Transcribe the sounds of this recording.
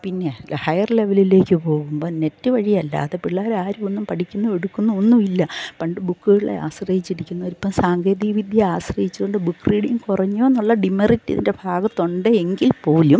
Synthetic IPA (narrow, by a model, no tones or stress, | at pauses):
pinːe̞hɐjɐrle̞ʋɐlile̞ːkʲːɨpo̞ːɣumbo̞ːne̞tːɨʋɐɻijɐlːa̰ːðepiɭːaːɾaːɾumonːumpɐʈikʲːunːue̞ɽukːunːuonːumilːɐpɐɳɖɨbukːɨɣɐɽɭḛa̰ːɕrɐjit͡ɕːiɽikʲːunːɐoɾipːɐmsaːŋɡeːd̪iʋid̪ʱjɐaːɕrɐjit͡ɕːukːoɳɖɨbukːriːɽiŋŋkurɐɲːoːnːuɭːɐɖimɐritːiɐ̰ðḭnde̞bʱaːɡɐt̪ːo̞ɳɖɨeŋɡilpo̞ːlum